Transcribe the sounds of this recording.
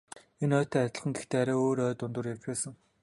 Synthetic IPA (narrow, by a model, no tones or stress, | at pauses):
enœːt̪ʰæːat̪ʲɪ̆ɮχə̆ŋɡext̪ʰeːaɾæːoːɾœːt̪ʊnt̪ʊ̆rjart͡ɕpæːsə̆ŋ